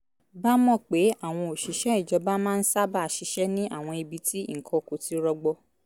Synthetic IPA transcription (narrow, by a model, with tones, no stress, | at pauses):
ba˦mɔ̃˦˨k͡pe˨˦a˦˨w̃ɔ̃˧o˨ʃi˨˦ʃɛ˦i˦˨d͡ʒɔ˨˧ba˦mãː˦n̩˦sa˦ba˦˨a˧˨ʃi˧˦ʃɛ˦nĩ˦ʔa̰˦˨w̃ɔ̃˧i˧bi˧ti˦ḭ˦˨kʰɔ̃˧˨ko˨ti˨˦ɾɔ˧ɡ͡bɔ˧